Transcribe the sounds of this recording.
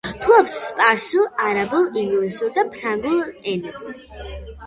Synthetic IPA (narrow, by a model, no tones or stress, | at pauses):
pʰlˠɔpsːpʼaɾʃulˠaɾabulˠiŋɡlisuɾd̪apʰɾaŋɡulˠɛnɛps